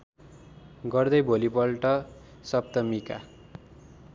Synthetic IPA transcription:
ɡʌrd̪ʌjbʱolipʌlʈʌ | sʌp̚t̪ʌmika

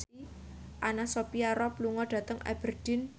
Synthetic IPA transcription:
i | ʔanasopiaɾɔpluŋɔɖ̥ä̤t̪əŋa̰b̥ərd̥i̤n

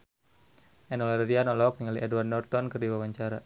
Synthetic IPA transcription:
ʔɛnɔlɛɾɾianɔlɔk̚niŋaliʔɛduwardnɔrt̪ɔnkɨrdiwawaɲt͡ʃaɾa

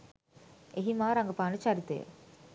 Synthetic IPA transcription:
eɦimaːɾɐŋɡɐpaːnət͡ʃaɾit̪ḛjə̰

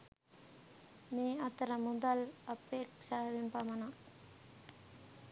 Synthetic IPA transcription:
miːɐt̪ɐɾɐmud̪ɐlɐpeːkʂaʋimpɐmɐnɐ

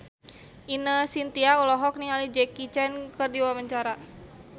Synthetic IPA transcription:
ʔinəsint̪iaulɔɦɔk̚niŋalid͡ʒɛkit͡ʃɛnkərdiwaməɲt͡ʃaɾa

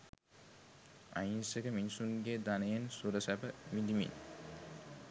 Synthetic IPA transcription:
a̰jinseɡəminisunɡeːd̪anɐjensuɾəsæbəmid̪imḭn

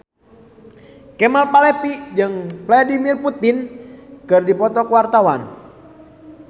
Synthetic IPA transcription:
kɛmalpalɛpid͡ʒɨŋvladimirput̪inkɨrdipɔt̪ɔkəwart̪awan

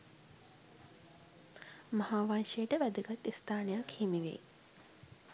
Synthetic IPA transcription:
mahaːʋanʃejəʈəʋæd̪əɡat̪ːist̪aːnejakhimiʋḛ

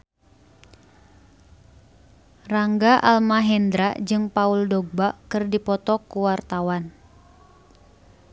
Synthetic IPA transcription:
raŋɡaʔa̰lmaɦɛnd̪ɾad͡ʒɨŋpauldɔɡ̚bakɨrdipɔt̪ɔkuwart̪awan

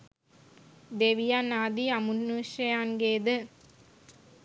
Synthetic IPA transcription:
d̪eːʋijaːnaːd̪iɐmunːuːʃɐjaːnɡeːd̪ɯ

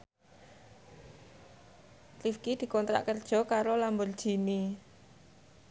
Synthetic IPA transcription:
lifkid̪̥i̤kɔnt̪ɾa̰ʔkərd̥ʒ̥ɔ̤kaɾolambʊrd̥ʒ̥i̤ni

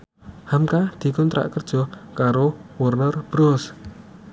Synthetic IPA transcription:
hamkad̪̥i̤kɔnt̪ɾa̰ʔkərd̥ʒ̥ɔ̤kaɾowɔrnərb̥ɾos

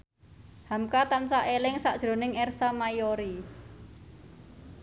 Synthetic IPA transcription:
hamkat̪ansaʔelɪŋsaʔd̥ʒ̥ɾo̤nɪŋɛrsamajoɾi

